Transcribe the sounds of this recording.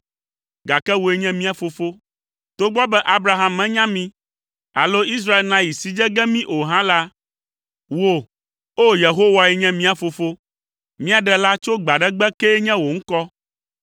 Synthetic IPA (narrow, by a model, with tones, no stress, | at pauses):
ɡa˨kɛ˦wo˨e˦ɲɛ̃˦mĩ˦a˨fo˨fo˦ | t̪o˦ɡ͡bɔ˦bɛ˦ʔa˦bɾa˨ɦa˦mːɛ̃˦ɲã˦mĩ˦ | a̰˨lo˦i˦s̬ɾa˦e˦lnã˨ji˨si˨d͡ʒɛ˦ɡɛ˦mĩ˦ʔo˨ɦã˦la˦ | wo˦˨ | o˦je˨ɦo˦wa˨ɛ˨ɲɛ̃˦mĩ˦a˨fo˨fo˦ | mĩ˦a˨ɖɛ˨la˦t͡ʃo˦ɡ͡ba˨ɖɛ˦ɡ͡bɛ˦kɛ˦ɲɛ̃˦wo˨ŋ̩˦kɔ˦